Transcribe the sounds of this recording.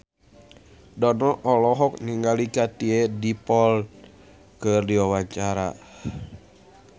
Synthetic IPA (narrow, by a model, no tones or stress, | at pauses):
dɔnɔʔɔlɔɦɔk̚niŋɡalikat̪iɛdipɔl | kɨrdiwawaɲt͡ʃaɾa̰